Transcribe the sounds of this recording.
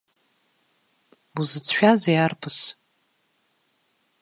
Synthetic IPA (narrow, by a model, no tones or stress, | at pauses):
buzɨt͡sʰʃᶣazejarpʰɨs